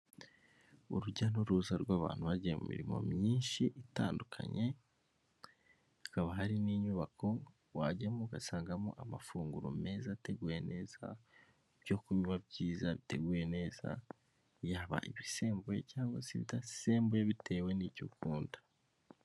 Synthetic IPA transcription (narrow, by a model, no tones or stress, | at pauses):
uɾuɟanoɾuːzaɾɡwaːβa̰ːn̥huβaɟijemṵmḭɾimo̞̰mɲiːnʃiʔitaːndukʰa̰ɲe̞ | akaβahaɾiniːɲuβakʰo̞ | waɟemoɡasaːŋɡamo̰ʔamafuːŋɡuɾo̰me̞ːzate̞ɡuje̞ne̞ːza | bjo̞kuɲuβabɟiːzaβite̞ɡuje̞ne̞ːza̰ | jaːβa̰ʔiβise̞ːmbojḛcaːŋɡwa̰siβitase̞ːmbojeβitʰe̞ːwe̞nicukuːndḁ